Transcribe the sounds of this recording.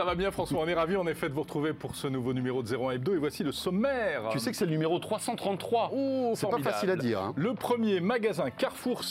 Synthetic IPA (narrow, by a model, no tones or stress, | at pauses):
savabjɛ̃fχɑ̃swaɔ̃nɛʁaviɑ̃nefɛd̪əvuʁət̪χuvepuʁsənuvonymeʁod̪əzeʁoɛ̃ɛb̚d̪oevwasiləsɔmɛʁt̪ysɛkə̥sɛlənymeʁot̪χwasɑ̃t̪χɑ̃t̪ːχwaosɛɔmpaidfaasilaiːʁɛ̰̃ləpχəmjemaɡazɛ̃kaʁfuʁs